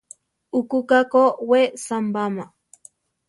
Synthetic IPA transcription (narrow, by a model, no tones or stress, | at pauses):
ukukakowesambama